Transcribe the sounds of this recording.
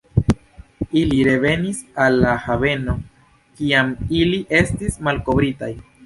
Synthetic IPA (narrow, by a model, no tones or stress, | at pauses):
iliɾe̞ve̞nisalːahave̞no̞ | kiamiliʔe̞stismalko̞bɾita̰j